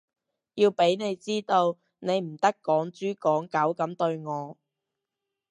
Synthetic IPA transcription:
jiː˧wpe˨˥jne˨˧jt͡siː˥t̪o˧w | ne˨˧jm̩˨˩t̪ɐ˥kːɔː˨˥ŋt͡ʃyː˥kɔː˨˥ŋkɐ˨˥wkɐ˨˥mt̪ɵ˧ɥŋɔː˨˧

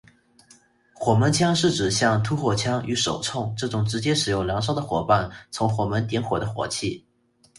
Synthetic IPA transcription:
xwɔ˨˩mə˧˥nt͡ɕʰjɑ˥ŋʂɻ̩˥˩ʈ͡ʂɻ̩˨˩ɕjɑ˥˩ŋt̪ʰu˥xwɔ˨˩t͡ɕʰjɑ˥ŋy˧˥ʂo˨˩ʊt͡sʰʊ˥˩ŋʈ͡ʂɤ˥˩ʈ͡ʂʊ˨˩ŋʈ͡ʂɻ̩˧˥t͡ɕjɛ˥ʂɻ̩˨˩jʊ˥˩ŋljɑ˧˥ŋʂ̬ɑ˥ʊd̪ə˨xwɔ˨˧˥pa˥˩nt͡sʰʊ˧˥ŋxwɔ˧˩mə˧˥nt̪i˧˥nxwɔ˨˩d̪ə˦xwɔ̰˧˥t͡ɕʰi˥˩

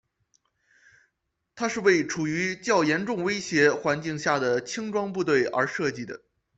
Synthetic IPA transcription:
t̪ʰa˥ʂɻ̩˥˧we˥˩ɪʈ͡ʂʰu˨˩y˧˥t͡ɕjɑ˥˩ʊjɛ˧˥nʈ͡ʂʊ˥˩ŋwe˥ɪɕjɛ˧˥xwa˧˥nt͡ɕi˥˧ŋɕja˥˩d̪ə˩t͡ɕʰi˥ŋʈ͡ʂwɑ˥ŋpu˥˧t̪we˥˩ɪʔə̰˞˧˥ʂɤ˥˧t͡ɕi˥˩d̪ə̰˩

